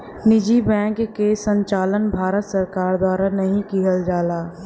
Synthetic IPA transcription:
nɪd͡ʒibɛ̃ːŋkːesə̃ɲt͡ʃaːlənbʱaːɾət̪səɾkaːɾd̪waːɾanɐɦĩkiɦəld͡ʒaːlaː

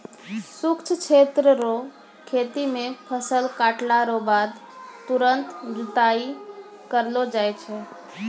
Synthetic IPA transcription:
sukt͡ʃʰt͡ʃʰet̪ɾəɾo | kʰet̪imepʰəsəlkaʈlaɾobad̪t̪uɾənt̪d͡ʒut̪ai | kəɾlod͡ʒajt͡ʃʰɛ

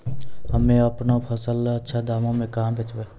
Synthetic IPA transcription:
ɦɐmẽɐpnapʰəsəlɐtːʃʰad̪aːmõmẽkaːmbʱet͡ʃʋeː

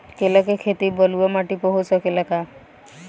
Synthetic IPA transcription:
kelakekʰet̪ibɔluamaʈipɔɦut͡ʃʰɔkelaka

